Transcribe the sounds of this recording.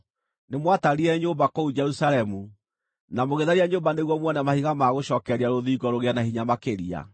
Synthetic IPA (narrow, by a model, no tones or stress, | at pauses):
nemwataɾiɛɲombakɔud͡ʒɛɾusalɛmu | namoɣeðaɾiaɲoːmbaneɣwɔmwɔnamahiɣamaɣoɕɔkɛɾiaɾoðiːɡɔɾoɣeanahiɲamakeɾia̰